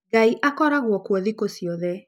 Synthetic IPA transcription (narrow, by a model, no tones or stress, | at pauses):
ɡaiʔakɔɾaɣwɔkwɔðikosiɔðɛ